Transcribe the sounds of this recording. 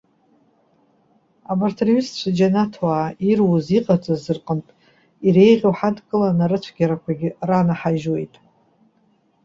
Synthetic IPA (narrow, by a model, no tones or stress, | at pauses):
abartʰerɥist͡ʃʷʰad͡ʒanatʰwaːirwuziqʼat͡sʼazɨrqʼəntʼ | iɾe̞jʁʲowħadʰʼkʼɨlanaɾɨt͡ʃʷʰɡʲaɾakʷʰaɡʲɪranaħaʒwe̞jtʼ